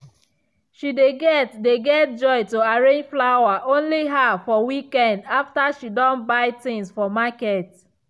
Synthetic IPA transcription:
ʃideɡɛtdeɡɛt̚d͡ʒɔɪtoaɹẽnd͡ʒflawaʔõnliɦafɔwikɛ̃ndaftaʃidɔ̃nbaɪtĩŋsfɔmakɛt

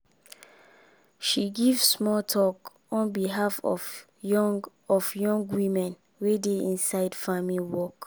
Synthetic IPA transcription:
ʃiɡivsmɔltʰɔk | ɔ̃nbiɦaf | ɔfjɔ̃ŋɡwĩmɛ̃n | wedeĩnsaɪd̥famiwɔk

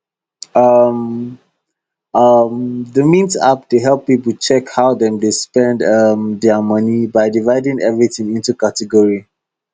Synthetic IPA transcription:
ʌm | ʌmdəmĩnta̰p̚deɦɛlˠpːipəl̩ˠt͡ʃɛkhaʊðɛ̃mdespɛ̃ndʌmdɛəmʌnibaɪdivaɪdɪ̃ŋɛvɹiθɪ̃ŋĩntukatɛɡɔɹi

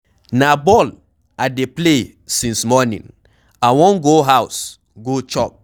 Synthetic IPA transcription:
nabɔl | adeple | sĩnsmɔnḭ̃n | awɔ̃nɡoɦaʊs | ɡot͡ʃɔp̚

